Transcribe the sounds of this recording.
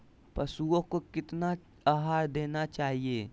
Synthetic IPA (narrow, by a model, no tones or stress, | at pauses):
pɐsuõkokɪt̪na | aːɦaːɾd̪eːnat͡ʃaːɦieː